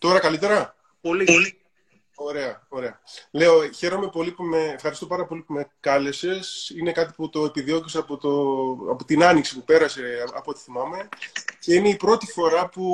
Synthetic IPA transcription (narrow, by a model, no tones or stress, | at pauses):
t̪o̞ɾɐkɐlit̪e̞ɾɐ | polili | o̞ɾe̞ɐo̞ɾe̞ɐle̞o̞çe̞ɾo̞me̞po̞lipume̞ːfxɐɾist̪opɐɾɐpo̞lipume̞kɐle̞se̞sine̞kɐt̪̬iput̪o̞epiðio̞ciseɐpot̪oɐpot̪inɐniksipupe̞ɾɐse̞ɐpot̪i̥θimɐme̞ce̞ine̞ipɾo̞t̪ifo̞ɾɐpu